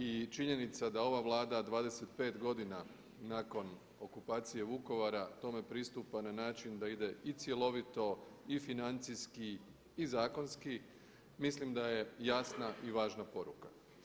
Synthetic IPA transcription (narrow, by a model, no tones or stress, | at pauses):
it͡ʃiɲe̞nit̪sad̪ao̞ʋaʋlˠaːd̪ad̪ʋaːd̪e̞se̞t̪pe̞ːt̪ɡo̞d̪ina | naːko̞n | o̞kupaːt̪sije̞ʋuko̞ʋaɾat̪o̞me̞pɾist̪upananaːt͡ʃind̪aid̪e̞it̪sje̞lo̞ʋit̪o̞ifinant̪siskiː | zaːko̞nski | mislimd̪aje̞jasnaʔiʋaːʒnapo̞ɾuka